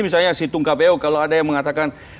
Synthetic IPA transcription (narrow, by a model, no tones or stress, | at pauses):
misalɲasit̪uŋkabeokaloadajaŋməŋat̪akan